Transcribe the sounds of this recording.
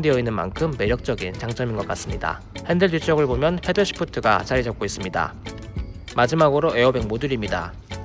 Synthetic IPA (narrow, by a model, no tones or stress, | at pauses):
deʌinːɯnma̰nkʰɯmːe̞ɾjʌk̚t͡ɕ͈ʌɡint͡ɕaŋt͡ɕ͈ʌminɡʌk͈as͈ɯmɲida̰ | hendeɭd͡ʑut͡ɕ͈ʰʌɡɯɭbomjʌnpʰe̞dɯɕʰi̥pʰɯtʰɯɡa̰t͡ɕaɾid͡ʑʌp̚k͈ois͈ɯmɲida̰ | mad͡ʑimaɡɯɾoʔe̞ʌbe̞ŋmoduɾimɲida̰